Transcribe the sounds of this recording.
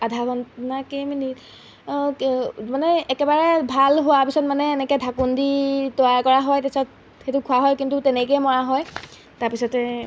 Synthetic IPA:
adʱabɔnnakemini | manɛːkɛbaɹɛbʱalɦowapisɔtmanɛːnɛkɛdʱakunditɔaɹkɔɹaɦɔjtɛsɔt | xetʊkʰʊaɦɔjkintutɛnɛk̬ɔjmɔɹaɦɔj | taɹpisɔtɛ

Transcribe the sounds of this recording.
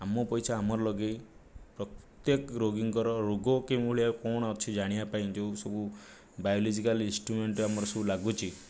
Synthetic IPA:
amɔpɔjsʰaamɔɾɔlɔɡepɾɔt̪jekɾoɡiŋkɔɾɔɾuɡɔkemʱuɭiakɔɽ̃ɔt͡ʃʰid͡ʒaɽ̃ibapaĩd͡ʒewsɔbu | bajɔlid͡ʒikalĩnsʈɾumeɳʈamɔɾɔsɔbulaɡut͡ʃʰi

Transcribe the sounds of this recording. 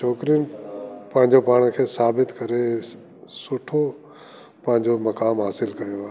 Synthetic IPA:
t͡ʃʰoːkɾijʊnɪ̆pɐ̃ɦɪ̃ɲd͡ʑopaːɽ̃kʰeːsaːbɪt̪kɐɾe | sʊʈʰo | pɐ̃ɦɪ̃ɲd͡ʑomɐkaːmɦaːsɪlkɐjoaː

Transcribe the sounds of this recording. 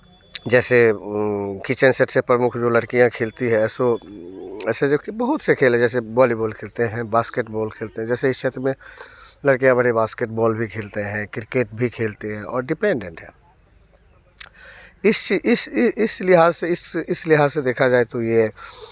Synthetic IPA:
d͡ʒɛːse | kit͡ʃənseʈsepɾəmʊkʰd͡ʒoːlɐɽkijãkʰeːlt̪iɦɛ̃ːso | ɛːseokbəɦʊt̪sekʰeːlɛ̃d͡ʒɛːs̬ebɔːlibɔːlkʰeːlt̪eɦɛ̃baːskeːʈbɔːlkʰeːlt̪eɦɛ̃d͡ʒɛːseɪst͡ʃʰet̪ɾəmẽlɐɽkijãbɐɽibaːskeːʈ̚bɔːlbʱikʰeːlt̪eɦɛ̃kɪɾkeːʈ̚bʱikʰeːlt̪eɦɛ̃ɔːɾɖɪpẽːɳɖẽɳʈɦɛː | ɪst͡ʃiʔɪsɪɪslɪɦaːzseɪsɪslɪɦaːzsed̪eːkʰad͡ʒaːet̪oje

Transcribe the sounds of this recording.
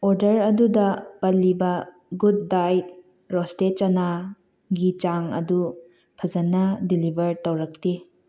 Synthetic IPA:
oɾdɐɾɐdudɐpɐlːibɐ | ɡud̚ːajt̚ | ɾostet͡ʃɐna | ɡit͡ʃaŋɐ̰du | pʰɐzɐnːɐdilibʱɐɾtɐwɾɐk̚ti

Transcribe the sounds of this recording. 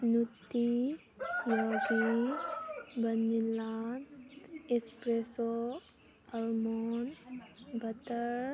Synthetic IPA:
nut̪ːi | joːɡi | bənːilːaːnespɾeso | ɐlmonbɐt̪əɾ

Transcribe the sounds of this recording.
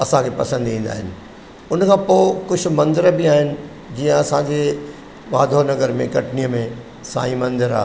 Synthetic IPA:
ɐsãkʰepɐsə̃nd̪ĩːn̆d̪a̰ːɦɪnɪ̆ | ʊnkʰãːpoːkʊd͡ʑʰʊ̆mɐ̃nd̪ɪɾbɪaːɦɪnɪ̆ | d͡ʑiːə̃ɐsãd͡ʑe | ʋaːd̪ʱonɐɡəɾmẽkɐʈnijəmẽ | sa̰ːĩmɐ̃nd̪ɪɾa̰ː

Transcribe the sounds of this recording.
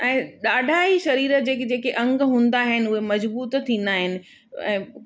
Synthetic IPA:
ɛ̃ːɗaːɖʱaːiʃɐɾiːɾəd͡ʑeːkd͡ʑeːkeʔɐ̃ŋɡɦũːn̆d̪aːɦɪnɪ̆ʊɦemɐzbuːt̪t̪ʰĩːn̆d̪aːɦɪnɪ̆ | ɛ̰̃ː

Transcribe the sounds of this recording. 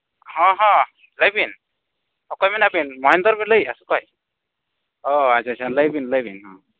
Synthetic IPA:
hɔ̃ɦɔ̃ | ləjbin | hɔkɔjmanabinmɔɦind̪ɔɾbɛləjasukɔj | ɔat͡ʃʰat͡ʃʰaləjbinləjbinɦɔ̃

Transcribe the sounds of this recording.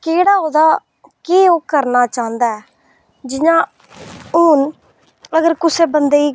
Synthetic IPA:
keːɽaːɦoːd̪aː | keːoːkəɾnaːt͡ʃãːnd̪aːɛː | d͡ʒɪɲãː | uːn | əɡəɾkʊseːbənd̪eːiː

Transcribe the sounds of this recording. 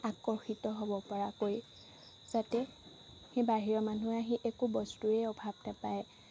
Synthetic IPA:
akɔɹxitɔɦobɔpɔɹakoj | z̥atɛ | hebaɦiɹɔmanuaɦĩʔekubɔstuɛɔbʱabnapaj

